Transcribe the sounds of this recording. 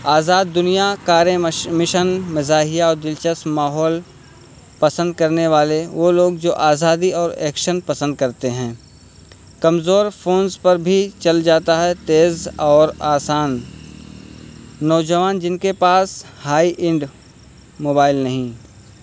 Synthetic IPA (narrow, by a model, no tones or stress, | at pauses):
aːzaːd̪ːʊnijakaːɾẽmɪʃənmɪzaːɦijaɔːɾd̪ɪlt͡ʃəsmaːɦɔːl | pɐsə̃nd̪̚kɐɾneʋaːleʋoːloːɡ̚d͡ʒoːʔaːzaːd̪iɔːɾɛːkʃənpɐsə̃nd̪̚kɐɾt̪eɦɛ̃ː | kɐmzoːɾfʰoːnzpɐɾbʱit͡ʃɐld͡ʒaːt̪aɦɛt̪eːzɔːɾaːsaːn | ɔːd͡ʒəʋaːnd͡ʒɪnkepaːshaːiʔɪ̃ɳɖ | moːbaːɪlnɐɦĩː